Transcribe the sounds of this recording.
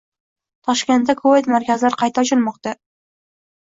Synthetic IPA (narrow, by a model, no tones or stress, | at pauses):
t̪ʰɒʃkʲe̞nt̪ːakʰoet̪maɾkʲazɪlaɾqʰɑjt̪ʰat͡ʃʰɪlmɒqt̪a